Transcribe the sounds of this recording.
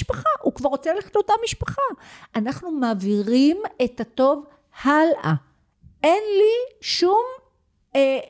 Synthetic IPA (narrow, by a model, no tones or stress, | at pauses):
ʃpaχaʔukvaʁot͡seleχatot̪amiʃpḁχaanaχnumaːviʁime̞tato̞v | halʔa | e̞nliʃum | e